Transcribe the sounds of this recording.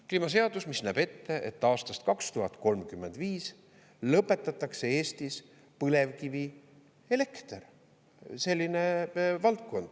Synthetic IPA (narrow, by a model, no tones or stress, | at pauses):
kliːmɑs̬e̞ɑd̪usmisnæːb̥e̞t̪ːe̞ʔet̪ːɑːst̪ɑst̪kɑkst̪uɦɑt̪ˑko̞lmkymːe̞nd̪̥viːs | lɤpːˑe̞t̪ːˑɑt̪ːˑɑkse̞e̞ːst̪is | pɤle̞vkivi | ele̞kt̪er | se̞lʲːinevɑlt̪̚ko̞nd̪̥